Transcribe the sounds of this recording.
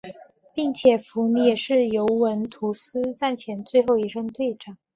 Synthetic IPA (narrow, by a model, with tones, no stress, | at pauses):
pi˥˩ŋt͡ɕʰjɛ˨˩fu˧˥ni˥ɛ˨˩ʂɻ̩˥˩jo˧˥ʊwə˧˥nt̪ʰu˧˥sɹ̩˥t͡sa˥˩nt͡ɕʰjɛ˧˥nt͡swe˥˧ɪxo˥˩ʊi˧˥ʂə˥ŋt̪we˥˩ɪʈ͡ʂɑ˨˩˦